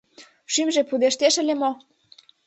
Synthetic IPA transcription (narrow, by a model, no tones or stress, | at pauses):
ʃymʒepud̪eʃt̪eʃə̆lʲemo